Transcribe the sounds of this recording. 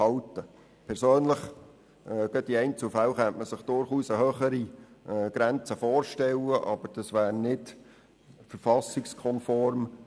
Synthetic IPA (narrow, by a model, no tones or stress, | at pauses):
ɑlt̪ə | pʰɛɾsøːnləχ | ɡ̥œtiɛɪnt͡sufæwχɛnt̪məsəχd̥ʊɾχuːsəhøːχəɾiɡ̥ɾænt͡səfoːɾʃtɛlːəʔɑb̥əɾd̥ɑsʋæːɾnɪd | fəɾfɑsɪkskʰɔnfɔɾm